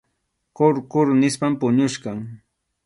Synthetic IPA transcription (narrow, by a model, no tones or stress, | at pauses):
koɾkʊɾnɪspampʊɲʊʃɢɑŋ